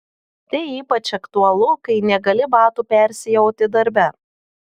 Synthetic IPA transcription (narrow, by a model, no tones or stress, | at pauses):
t̪ɐɪiːpɐt͡ʃɐkt̪uɐlˠʊkɐɪnʲɛɡɐlʲɪbɑːt̪upʲɛˑɾʲsʲɪjɛʊt̪ʲɪd̪ɐɾʲbʲɛ